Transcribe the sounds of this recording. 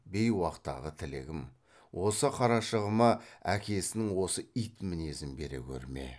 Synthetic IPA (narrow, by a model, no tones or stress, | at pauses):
be̞jwɑqt̪ːɑ̰ʁət̪ʰɪlɪ̰ɡʲɪm | wʔo̞səqʰɑɾɑʃəʁəmɑækʲe̞sɪnɪŋwo̞səijt̪mɪne̞zɪnbe̞̰ɾḛkʲʰɵ̰ɾme̞̰